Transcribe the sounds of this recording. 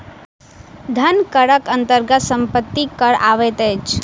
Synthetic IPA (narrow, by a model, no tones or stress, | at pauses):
d̪ʱɐnkəɽəkə̃nt̪əɾɡət̪sə̃mpət̪ːikəɽa̰ːʋet̪ɛt͡ʃ